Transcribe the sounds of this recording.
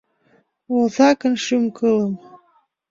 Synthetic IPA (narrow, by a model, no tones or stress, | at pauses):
ulzɑkɤ̆nʃymkɤlə̆m